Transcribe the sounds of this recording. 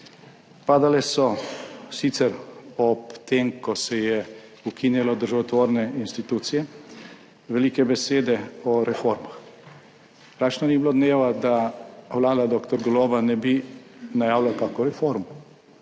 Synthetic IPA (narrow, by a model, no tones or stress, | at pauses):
paːd̪alɛsɔsit̪sɛɾɔpt̪emkɔsɛjɛ | ukʰinjɛlɔd̪əɾʒaʋɔt̪ʋoːɾnɛinst̪it̪uːt̪sijɛ | ʋɛlikɛbɛseːd̪ɛɔɾɛfoɾmax | pɾaːt͡ʃnɔnibilod̪neːʋad̪aʋlaːd̪ad̪okt̪ɔɾɡɔloːbanɛbinajaːwlakaːkɔɾɛfoɾmɔ